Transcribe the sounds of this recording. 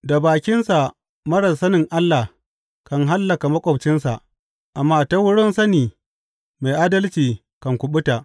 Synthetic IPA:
da˨baː˨kʲɪ˦nsa˨ | mɐ˦ɽɐ˨sɐ˦nɪ˨ŋʔa˦lːa˨h | kɐ˨ŋɦa˦lːɐ˨ka˨mɐ˦kʷʼɔ˨bt͡ʃɪ˦nsa˨ʔ | ʔa˨mːaː˦ta˦wʊ˦ɽʊ˦nsɐ˦niː˨ | ma˨jʔaː˦dɐ˦lt͡ʃiː˨ | kɐ˨ŋkʷʊ˨ɓʊ˦ta˨ʔ

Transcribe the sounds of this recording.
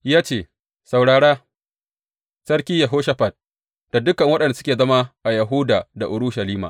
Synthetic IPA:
jaː˦t͡ʃeː˦˨ | sa˨wɽaː˨ɽaː˦ | sɐ˦ɽkʲiː˦ja˨ɦoː˦ʃa˦ɸa˨d̚ | d̥a˨dʊ˦kɐ˨ŋwɐ˦ɗɐ˨nda˨sʊ̥˦kʲeː˨zɐ˦ma˦ʔa˨jɐ˨ɦʊ˦daː˨da˨ʔʊ˨ɽʊ˦ʃɐ˨liː˦ma̰˨

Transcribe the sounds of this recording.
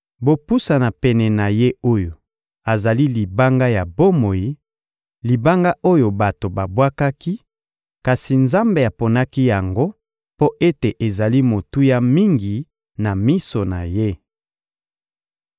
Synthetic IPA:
bo˨pu˦sa˨na˨pɛ˨nɛ˨na˨je˦o˦jo˨ | a˨za˨li˦li˨ba˦ŋɡa˦ja˨bo˦mo˨ji˦ | li˨ba˦ŋɡa˦ʔo˦jo˨ba˨to˨ba˨bwa˦ka˦ki˦ | ka˨si˨nza˦mbe˨a˨po˨na˦ki˦ja˨ŋɡo˦ | po˦ʔe˦te˨ʔe˨za˨li˦mo˨tu˦ja˦mi˦ŋɡi˨ | na˨mi˦so˨na˨je˦

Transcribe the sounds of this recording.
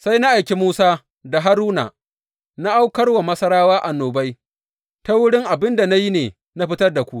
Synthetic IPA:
sa˦jna˦ʔa˨jkʲe˨muː˦saː˦ | da˨ɦa˦ɾuː˦na̰˨ | na˦ʔa˦wkɐ˦rwa˨mɐ˦sɐ˦ɾaː˦waː˦ʔa˨noː˨bɐ˦j | ta˦wʊ˦ɽɪ˦ŋʔa˨bɪ˦nda˨na˦ji˦neː˨ | na˦ɸɪ˦tɐ˦rda˨kʷu˦ʔ

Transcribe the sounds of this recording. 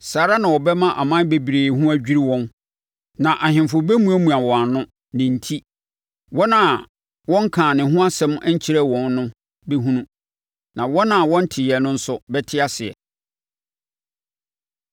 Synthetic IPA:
saː˨ɾa˦nã˨wɔ˨bɛ˦mã˦ʔa˨mã˦n˦be˨bi˨ɾeː˨hũ˦æ˦d͡ʑᶣi˦ɾi˦wɔ̃˦n | nã˨ʔa˨hɪ̃˨mfʊ˨bɛ˦mũ˦æ˦mũ˨a˨wɔ̃˨a˨nʊ̃˦ | nɪ̃˨n̩˨tʰi˦ | wɔ˦nã˨ | wɔ̃˦ŋ˦kʰãː˨nɪ̃˨ɦʊ̃˦a˦sɛ̃˦mæ˦ɲ̩˦t͡ɕʰi˦ɾɛ˦wɔ̃˨n˦nʊ̃˦ | be˦ɦũ˦nũ˦ | nã˨wɔ˦nã˨wɔ̃˦n̩˦tʰɪ˨ɛ˨nʊ̃˦n̩˦sʊ˦bɛ˦tʰɪ˦a˦sɪ˨ɛ̰˨

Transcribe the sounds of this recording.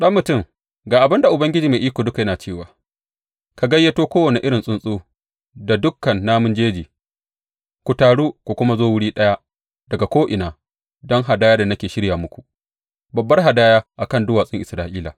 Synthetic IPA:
ɗɐ˦mːʊ˨tʊ˦˨ŋ | ɡaː˨ʔa˨bɪ˦nda˨ʔʊ˨bɐ˦ŋɡʲɪ˦d͡ʒiː˨me˨ʔiː˦kʷoː˨dʊ˦ka˨jɐ˦naː˨t͡ʃeː˦˨waː˨ | ka˨ɡɐ˦jːɐ˦toː˦kʷoː˦wɐ˨ne˨ʔɪ˦ɽɪ˨nsʼʊ˦nsʼoː˦ | da˨dʊ˦kːɐ˨nːaː˦mʊ˦nd͡ʒeː˦d͡ʒiː˨ | kʷu˨taː˨ɽuː˦kʷu˨kʷʊ˦ma˦zoː˦wʊ˦ɽiː˦ɗɐ˦ja˦ | dɐ˨ɡa˨kʷoː˦ʔɪ˨naː˨ | dɔ˦ŋɦa˨daː˦jaː˦da˨nɐ˦kʲeː˨ʃɪ˦ɽja˨mʊ˦kʷu˨ | bɐ˨bːɐ˦rɦa˨daː˦jaː˦ʔa˨kɐ˦˨ndʊ˦waː˨sʼɪ˦ŋʔɪ˨sɾaː˦ʔiː˦la̰ː˨

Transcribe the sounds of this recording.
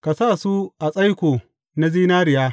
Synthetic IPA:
ka˨saː˦˨su˦ʔa˨sʼa˦jkʷoː˨ | na˦ziː˦naː˦ɾɪ˨jaː˦

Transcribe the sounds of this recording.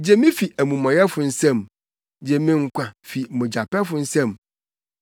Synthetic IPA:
d͡ʑe˦mĩ˦fi˨ʔæ˨mũ˨mɔ̃˨jɛ˦fʊ˨n̩˦sɛ̃˦m | d͡ʑe˨mĩ˦ŋ̩˦kʷʰã˨fi˨mʊ̃˨d͡ʑa˨pɛ˦fʊ˨n̩˦sɛ̃˦˨m

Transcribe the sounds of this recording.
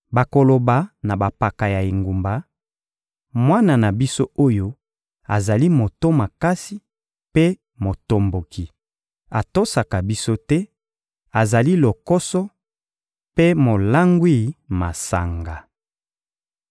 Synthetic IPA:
ba˨ko˨lo˨ba˨na˨ba˨pa˨ka˨ja˨i˨ŋɡu˨mba˨˦ | mwa˦na˨na˨bi˦so˦o˦jo˦ | a̰˨za˨li˦mo˨to˦ma˨ka˦si˦ | pe˦ | mo˨to˨mbo˨ki˨ | a˨to˦sa˨ka˨bi˦so˦tɛ˦ | a˨za˨li˦lo˨kɔ˦sɔ˦ | pe˦mo˨la˦ŋɡwi˦ma˨sa̰˨ŋɡa˨

